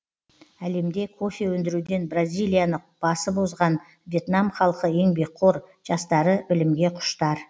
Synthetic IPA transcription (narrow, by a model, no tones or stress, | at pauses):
æle̞md̪e̞kʰo̞fʲewɵnd̪ɪɾud̪e̞nbrazʲijlʲˠijanəqb̥ɑsəbozʁɑn | vje̞t̪nɑmχɑlˠqəje̞ŋbe̞k̚qʰoɾʒ̥ɑst̪ɑɾəbɪlɪmɡʲe̞qʰʊ̥ʃt̪ɑɾ